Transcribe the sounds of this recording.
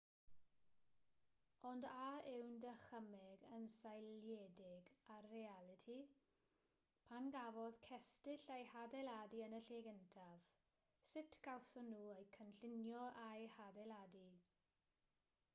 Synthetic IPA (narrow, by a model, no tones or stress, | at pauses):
ɔndaɪwndəχəmɛɡənsajljɛdɪɡarealˠɪtʰi | pʰanɡavɔðkʰɛstɪɬajhadɛladiənəɬeːɡəntʰav̥ | sɪtʰɡ̥alˠsɔnuːejkʰənɬɪnjɔʔajhadɛladi